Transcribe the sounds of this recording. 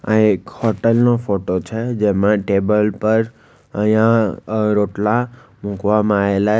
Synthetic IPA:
a̰ekhɔʈəlnofoʈot͡ʃʰed͡ʒemãʈebəlpəɾ | əjãɾoʈla | mũkʋamãaela

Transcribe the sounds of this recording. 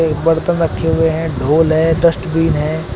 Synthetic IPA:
bɐɽt̪ə̃nɾəkʰːeɦʊeɦɛ̃ɖoːlɦɛːɖəsʈbiːnɦɛ̃ː

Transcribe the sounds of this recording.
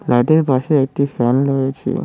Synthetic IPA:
laʈeɾpaʃeekʈifɛnɾojet͡ɕʰḭ

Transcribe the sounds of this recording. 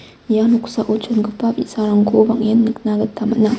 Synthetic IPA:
januksaʔot͡ʃʰonɡɯpapisaɾaŋɡobaŋjenːɯk̚naɡɐtʰamɐ̰na

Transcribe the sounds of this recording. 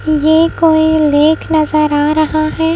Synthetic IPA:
jeːkoːileːkʰnɐzəɾaːɾɐɦaɦɛː

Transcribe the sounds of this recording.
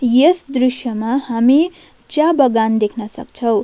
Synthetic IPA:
jesd̪risjʌmahami | t͡sjabʌɡand̪ekʰnʌsʌ̰kt͡sʰʌw̃

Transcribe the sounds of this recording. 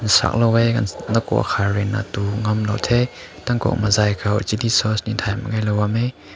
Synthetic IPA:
nsa̰k̚lowɛjkannɐkɔ̰ʔkʰaɹɛna̰tuŋɐmlo̰wtʰɛ | t̪ɐŋkɔ̰k̚mazajkʰawt͡ʃilisɔsnint̪ʰajmŋajlowamɛj

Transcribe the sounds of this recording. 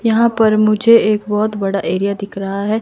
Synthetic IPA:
jɐɦãpɐɾmʊd͡ʒʱeeːkbɔɦʊt̪bɐɽaʔeːɾijad̪ɪkʰɾɐɦaɦɛː

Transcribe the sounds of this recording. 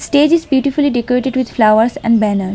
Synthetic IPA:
sʈeːd͡ʒɪzbjuːʈifʊliɖekɔɾeːʈeɖʋɪd̪flaʊəɾsɛ̰̃ɳɖbænəɾs

